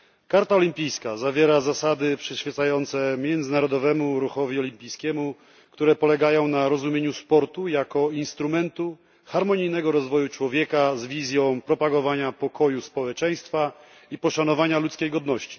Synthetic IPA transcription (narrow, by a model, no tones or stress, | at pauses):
kaɾt̪aɔlʲimpʲijskazavʲjɛɾazasad̪ɘpʂɛɕfʲjɛt̪sajɔnt̪sɛmʲjɛnd̪zɘnaɾɔd̪ɔvɛmuɾuxɔvʲjiɔlʲimpʲijskʲɛmu | kt̪uɾɛpɔlɛɡajɔ̃w̃naɾɔzumʲjeɲuspɔɾt̪ujakɔinst̪ɾumɛnt̪u | xaɾmɔɲijnɛɡɔɾɔzvɔjut͡ʂwɔvʲjɛkazvʲizʲjɔ̃w̃pɾɔpaɡɔvaɲapɔkʰɔjuspɔwɛt͡ʂɛj̃st̪fa | ipɔʂanɔvaɲalut̪skʲejɡɔd̪nɔɕt͡ɕi̥